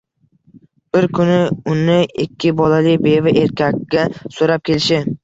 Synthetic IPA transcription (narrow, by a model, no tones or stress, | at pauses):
b̥ɪɾkʰʊnɪʊnɪɪkʲːɪbɒlalɪkʲbe̞vɪʔeɾkʲʰakʲːasoɾap̚kʲe̞lɪʃɪ